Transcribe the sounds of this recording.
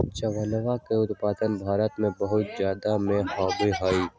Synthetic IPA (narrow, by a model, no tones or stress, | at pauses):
t͡ʃəʋənəʋakeʊt̪paːd̪ənbʱaːɾət̪mẽbɐɦʊt̪̚zjaːd̪amẽhaːbeɦaːiː